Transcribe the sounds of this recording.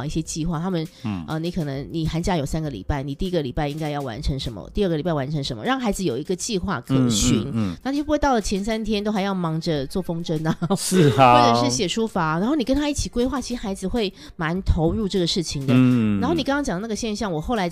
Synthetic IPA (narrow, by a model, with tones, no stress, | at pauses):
ŋi˥˩ɕjɛ˦˥t͡ɕi˥˧xwa˥˩t̪ʰa˥mə˨nʔə˧˩ni˧˥kʰɤ˨˩nə˧˦ŋni˨˩xa˧˥nt͡ɕja˥jo˨˩ʊsa˥nɡə˨lḭ˨˩pa˥˩ɪni˨˩t̪i˥˧i˦˥ɡə˨li˨˩pa˥˩ɪi˥ŋka˥ɪjɑ˥˩ʊwa̰˧˥nʈ͡ʂʰɤ˧˥ŋʂə˧˦nmə̰˧t̪i˥˧ə˥˩ɡə˩li˨˩pa˥˩ɪwa˧˦nʈ͡ʂʰɤ˧˦ŋʂə˧˦nmə̰˨ɻɑ˥˩ŋxa˧˥ɪd͡zɹ̩˧˨jo˨˩ʊi˧˦ɡə˧t͡ɕi˥˧xwa̰˥˩kʰɤ˨˩ɕy̰˧˥nna˥˩i˨˧˥pu˧˥we˥˧t̪ɑ˥˩lə˩t͡ɕʰjɛ˧˥nsa˥nt̪ʰjɛ˥nt̪o˥ʊxa˧ɪjɑ˥˩ʊmɑ˧˥ŋd͡ʒə˧t͡swɔ˥˩fo˥ŋʈ͡ʂə˥nɐ˨˩˥ | e˥˩ʈ͡ʂə˨˩ʂɻ̩˥˩ɕjɛ˨˩ʂu˥fa˧˥na˧˥nxo˥˩ʊni˨˩kə˥nt̪ʰa˥i˥˩t͡ɕʰi˨˩kwe˥ɪxwa˥˩t͡ɕʰi˧˥ʂɻ̩˥˩xa˧˥ɪd͡zɹ̩˨xwe˥˩ɪ | ma˧˦˥nt̪ʰo˧˥ʊɻu˥˧ʈ͡ʂɤ˥˩ɡə˩ʂɻ̩˥˩t͡ɕʰi˨˩ŋd̪ə˦a˧nxo˥˩ni˨˩kŋkɑ˥ŋt͡ɕjɑ˨˩ŋd̪n˥˩ə˩ɕjɛ˥˧nɕjɑ˥˩ŋwɔ˨˩xo˥˩ʊla˧˥ɪ